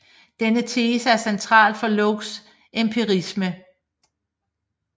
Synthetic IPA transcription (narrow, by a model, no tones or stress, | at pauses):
d̥enət͡sʰe̝ːsəæɐsent͡sʰʁɑ̰̈ːld̥fɒ̽lɔɡ̥s | empʰiʁismə